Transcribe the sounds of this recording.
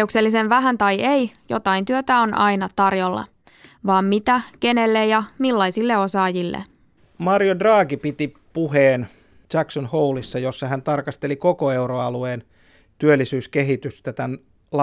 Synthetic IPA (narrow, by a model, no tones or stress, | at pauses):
eukselːise̞nʋæɦænt̪ɑjejjo̞̰t̪ɑint̪yøt̪æo̞nʔɑ̰inɑt̪ɑrjolːɑ̰ | ʋɑːmːmit̪æke̞ne̞lːejjɑmilːɑisilːe̞o̞sɑːjilːḛ | mɑrjodrɑːɡipit̪i | puheːn | t͡ʃæksonhoulisːɑjosːɑhænt̪ɑrkɑst̪elikokoeuroɑlueːn | t̪yølːˑisyːskeɦit̪yst̪æt̪æn | l